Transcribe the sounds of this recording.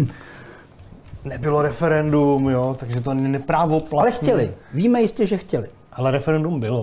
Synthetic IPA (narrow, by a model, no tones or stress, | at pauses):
nɛbɪloɾɛfɛɾɛndumjot̪aɡʒɛt̪̬onɛɲinɛpɾaːvoplalɛxcɛlɪviːmɛjɪscɛʒɛxcɛlɪ | ʔalɛɾɛfɛɾɛndumbɪlo